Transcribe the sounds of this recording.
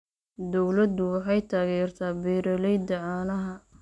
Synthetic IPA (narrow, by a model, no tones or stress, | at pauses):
d̪ɔwlɐd̪ʊwɑħɑjt̪ʰaːɣɛːrt̪ʰaːbɛːɾɐlɛjd̪ɐʕaːnɐɦɐ